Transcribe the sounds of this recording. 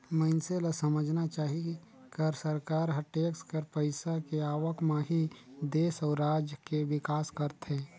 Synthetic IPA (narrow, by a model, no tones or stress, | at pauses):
məɪnselasəməd͡ʒʱnat͡ʃaːɦi | kəɾsəɾkaːɾɦəʈeːkskəɾpəɪsakeaːwəkmãɦid̪eːsɔːɾːaːd͡ʒjəkeʋɪkaːskəɾt̪ɦɛ̃ː